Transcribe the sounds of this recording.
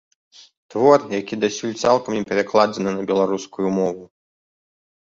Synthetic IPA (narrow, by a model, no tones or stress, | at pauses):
t̪vɔrjakʲid̪asʲulʲt̪salˠkɐmʲɛpʲɛɾaklˠad͡zʲɛnɨnɐbʲɛlˠaɾuskujumɔvu